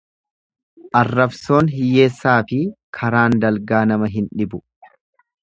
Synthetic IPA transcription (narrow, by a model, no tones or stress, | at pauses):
ʔɐrːɐbso̞ːnɦɪje̞ːsːaːfɪkʰɐɾaːnd̪ɐlɡaːnɐmɐɦɪnᶑɪbʊ